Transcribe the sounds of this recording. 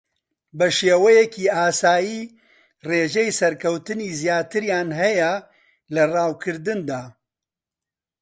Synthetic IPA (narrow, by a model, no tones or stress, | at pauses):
bɐʃeːwɛjɛkʰiːaːsaːjiː | reːʒɛjsɐɾkʰɐwt̪ɨniːzijaːt̪ɨɾjaːnɦɛjɛ | lɐraːwkʰɨɾd̪ɨnd̪aː